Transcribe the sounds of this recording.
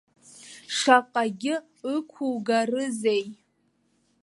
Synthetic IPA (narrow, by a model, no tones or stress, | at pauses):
ʂaqʼaɡʲɪ | ɨkʷʰuwɡarɨzej